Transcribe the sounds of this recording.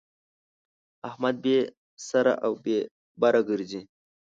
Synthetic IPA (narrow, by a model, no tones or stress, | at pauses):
ahmad̪̚be | saɾa̰ʔawbe | baɾaɡəɾzi